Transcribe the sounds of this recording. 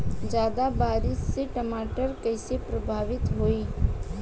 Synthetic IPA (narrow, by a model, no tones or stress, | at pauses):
d͡ʒjaːd̪abaːɾɪsːeʈəmaːʈəɾkəɪsepɾɐbʱaːʋɪt̪ɦoːiː